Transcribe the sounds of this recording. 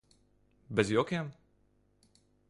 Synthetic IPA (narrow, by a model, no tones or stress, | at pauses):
bʲɛzjɔkʲeːm